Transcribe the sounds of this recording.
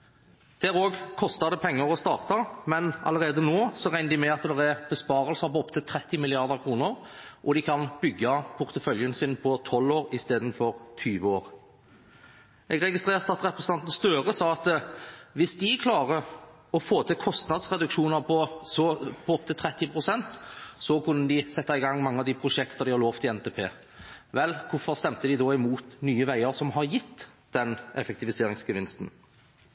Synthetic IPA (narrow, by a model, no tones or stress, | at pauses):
d̪̥æɾoːɡkʰɔst̪əd̪ɛpʰɛŋːəɾɔst̪ɑːʁt̪ɑmɛnʔɑ̰ləʁeːd̪ənoːsɔʁæɪnd̪ɪmɛɑt̪d̪ɛʁɛbəspɑːɾəlsɑpɔɔpt̪ʰət̪ʰːɾɛt̪ːɪmɪlɪɑʁd̪əʁkʰʁuːnəɾ | ʔɔd̪ɪkʰɑnbʏɡːɑpʰʊʁt̪əfœljənsɪnpʰɔt̪ʰɔlːoːʁɪst̪eːd̪n̩fɔʁt̪ʰyːʋəoːʁ | ʔɛɡɾɛɡɪst̪ɾeːʁt̪əɑt̪ɾɛpɾəsn̩ɑnt̪n̩st̪øːʁəsɑːɑt̪ʋɪsd̪ɪkʰlɑːʁə | ɔfoːt̪ʰɪkʰɔst̪nɑd̪sʁɛd̪ʉkʃuːnəɾpʰɔsɔpʰɔɔp̚t̪ʰɪlt̪ʰɾɛt̪ːɪpʰʁʊsɛnt̪sɔkʉnːəd̪ɪsɛt̪ːɑɪɡɑŋːmɑŋːəɑʋd̪ipʰɾʊʃɛkt̪əʁd̪ɪhɑloːft̪ɪɛnt̪ʰeːpʰḛː | ʋɛlkʰʊfɔʁst̪ɛmt̪əd̪ɪd̪ɔɪmuːt̪nyːəʋæɪəɾsɔmɦɑɾjɪt̪ː | d̪̥ɛnʔɛfɛk̚t̪ɪʋɪseːʁɾɪŋsɡəʋɪnst̪n̩